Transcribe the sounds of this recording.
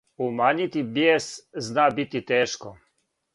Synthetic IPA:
umaːɲit̪ibjeːsznabit̪it̪eːʃko

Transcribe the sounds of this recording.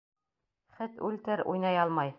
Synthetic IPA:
χɘt̪ʉlt̪ɘɾṵjnɑjɒlˠmɑj

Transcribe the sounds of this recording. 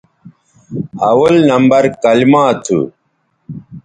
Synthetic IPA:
ɐwɐlnɐmbɐɾkɐlimaːt̪ʰṵ

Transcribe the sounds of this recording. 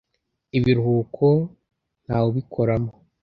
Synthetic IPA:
iβiɾhuːkʰo | n̥haːwoβikʰoɾamo

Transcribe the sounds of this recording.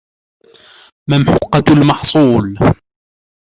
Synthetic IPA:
mamħʊqːɑlmɑħsˤuːl

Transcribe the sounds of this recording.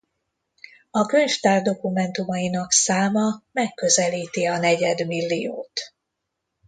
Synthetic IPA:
ɒkøɲʃt̪aːrd̪o̞kumɛnt̪umɒjinɒksaːmɒmɛkːø̞zɛliːt̪iɒnɛɟɛd̪milːijo̰ːt̪

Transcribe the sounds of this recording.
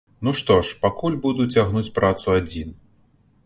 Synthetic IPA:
nuʂt̪ɔʂpakulʲbud̪ut͡sʲaɣnut͡sʲpɾat̪suad͡zʲin

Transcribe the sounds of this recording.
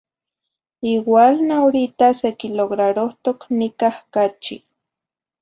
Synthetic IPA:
iwalnaoɾit̪asekiloɣɾaɾoht̪oknikahkat͡ʃḭ

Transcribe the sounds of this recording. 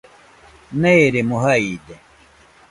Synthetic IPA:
neeɾemuɦaid̪e

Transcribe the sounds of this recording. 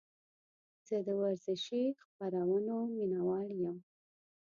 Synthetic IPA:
z̥əd̪əwaɾzɪʃixpaɾawənominawɑljəm

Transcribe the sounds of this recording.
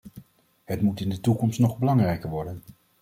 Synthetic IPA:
ɦətmutɪndətukɔmstnɔχbəlɑŋrɛjkəɹʋɔɹdən

